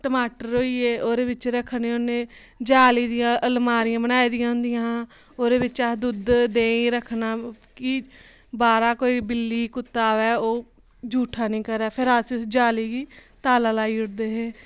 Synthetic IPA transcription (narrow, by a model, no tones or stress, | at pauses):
ʈəmaːʈəɾoːiːeːoːɾeːʋɪt͡ʃɾəkʰːneoneː | d͡ʒaːliːd̪ɪjãːʔəlmaːɾijãːbənaːiːd̪ɪjãːɦʊ̃nd̪ɪjãː | oːɾeːbɪt͡ʃad̪ʊd̪d̪eːiɾəkʰːnaːkɪ | baːɾaːkoːiːbɪlːiːkʊt̪ːaːʋɛːoː | d͡ʒuːʈʰaːnĩːkəɾɛːpʰɪɾaːsisd͡ʒaːliːɡiːt̪aːlaːlaːiːʊʈd̪eːɦẽː